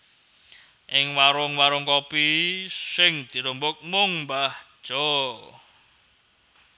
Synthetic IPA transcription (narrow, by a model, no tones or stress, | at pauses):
ʔɪŋwaɾʊŋwaɾʊŋkɔpisɪŋd̪̥i̤ɾumbʊk̚mʊŋmbahd̥ʒ̥ɔ